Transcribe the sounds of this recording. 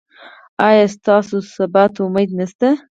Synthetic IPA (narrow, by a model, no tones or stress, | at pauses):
ɑjɑst̪ɑːsosabat̪ʊmajt̪nast̪a